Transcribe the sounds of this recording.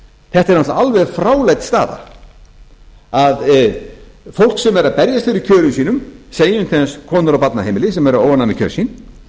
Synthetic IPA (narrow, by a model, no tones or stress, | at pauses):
θɛht̪ɛɾnat̪aalvɛɣfɾaːwlejt̪st̪a̰ːða̰ | að | fowl̥ksɛmɛɾaðpɛɾjast̪ɪɾicʰœːɾʏmsiːnʏmseːjʏnt̪ʰeðanskʰɔːnʏɾawpat̪naheːjmɪlɪsɛmɛɾʏoːwvanamɪkcʰœ̰ːɾ̥sin